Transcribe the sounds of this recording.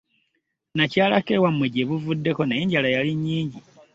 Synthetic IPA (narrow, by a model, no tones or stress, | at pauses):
nacaːlake̞wamweɟeβuvudːe̞ko̞najeɲɟalajaliɲːiːɲɟi